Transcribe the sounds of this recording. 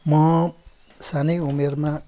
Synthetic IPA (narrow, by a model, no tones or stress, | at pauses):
mʌ | sanʌjumerma